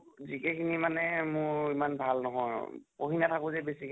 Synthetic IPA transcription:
zikɛkʰinimanɛmʊɹimanbʱalnɔɦɔjpoɦinatʰakʊzɛbesikʰ

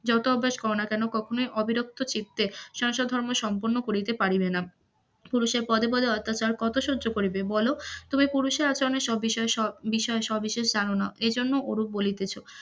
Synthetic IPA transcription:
d͡ʑɔt̪oɔbʱːaʃkɔɾonakɛnokɔkʰonojʔɔbiɾok̚t̪ot͡ɕit̪ːeʃɔŋʃod̪ʱɔɾmoʃɔmpoɾnːokoɾit̪epaɽibena | puɾuʃeɾpɔd̪epɔd̪ʱeɔt̪ːat͡ɕaɾkɔt̪oʃudːd͡ʑokoɾibebɔlot̪umipuɾuʃeɾat͡ɕaɾoneɾʃɔbːiʃɔeʃɔbiʃɔeʃɔbbiʃeʃd͡ʑanonaoʔed͡ʑonːoʔoɾubolit̪et͡ɕʰo

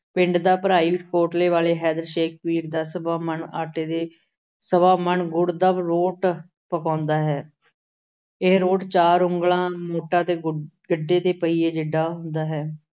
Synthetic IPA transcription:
pɪɳɖd̪aːpəɾaːiːʋʈkoːʈleːʋaːleːɦɛːd̪əɾʃeːk̚ʰpiːɾd̪aːsəbaːmənaːʈeːd̪eː | səbaːmənɡʊɽd̪əbɾoːʈ | pəkãːnd̪aːɦɛː | ɪɦɾoːʈt͡ʃaːɾʊŋɡlãːmoːʈãːt̪eːɡəɖːeːt̪eːpəiːeːd͡ʒəɖːaːɦʊnd̪aːɦɛː

